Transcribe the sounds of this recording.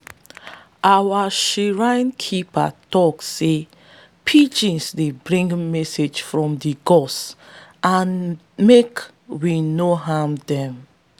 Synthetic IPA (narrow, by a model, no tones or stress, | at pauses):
ʔawaʃiɹãnkʰipa̰tɔkːe | pʰid͡ʒĩnsdebɹĩŋɡmɛsed͡ʒfɹɔ̃mdiɡɔsʔãn | mek | winoɦãmdɛ̃m